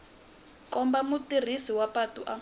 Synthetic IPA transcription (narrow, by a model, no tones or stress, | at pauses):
kʼɔmbamutir̤isiwapatʼuʔa